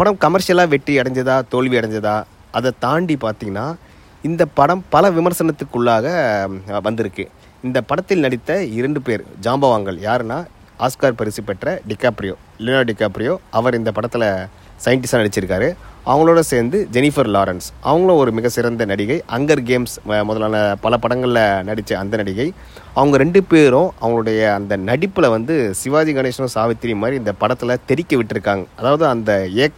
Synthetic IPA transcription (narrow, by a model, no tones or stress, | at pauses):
pɐɽɐmkɐmɐɾʂɪjɐlaːʋɛʈːriɐɽɐɲd͡ʒɐðaːt̪oːɭʋiɐɽɐɲd͡ʒɐðaː | ɐðɐt̪aːɳɖipaːɾt̪iːŋɡɐnːaː | ɪnd̪ɐpɐɽɐmpɐlɐʋɪmɐɾsɐnɐt̪ːɯkːɯɭːaːɣɐʋɐnd̪ɪɾɯkːɯ̰ | ɪnd̪ɐpɐɽɐt̪ːɪlnɐɽɪt̪ːɐɪɾɐɳɖɯpeːɾd͡ʒaːmbɐʋaːŋɡɐɭjaːɾɛnaː | aːskaːɾpɐɾɪsipːɛʈrɐɖɪkːaːpɪɾɪjo̰ː | lɪnaːɖɪkːaːpɪɾɪjoːɐʋɐɾɪnd̪ɐpɐɽɐt̪ːɪlɐ | sɐjɪɳʈɪsaːnɐɽɪt͡ʃːɪɾɯkːaːɾɯʔɐʋɐŋɡɐɭoːɽɐseːɾnd̪ɯd͡ʒɛnɪfɐɾlaːɾɐnsɐ̰ʋɐŋɡɐɭõɔɾɯmɪɣɐsɪɾɐnd̪ɐnɐɽɪɣɐɪʔɐŋɡɐɾɡeːmsmɔðɐlaːnɐpɐlɐpɐɽɐŋɡɐɭlɐnɐɽɪt͡ʃːɯɐnd̪ɐnɐɽɪɣɐɪ | ɐʋɐŋɡɐɾɛɳɖɯpeːɾõʔɐʋɐŋɡɐɭɯɽɐjɐːnd̪ɐnɐɽɪpːɯlɐʋɐnd̪ɯsɪʋaːd͡ʒiɡɐneːʂɐnõsaːʋɪt̪ːɪɾɪjmːaːd̪ɾiɪnd̪ɐpɐɽɐt̪ːɯlɐt̪ɛɾɪkʲːɯʋɪʈːɪɾɯkːaːŋɡɐːðaːʋɐðɯɐnd̪ɐeː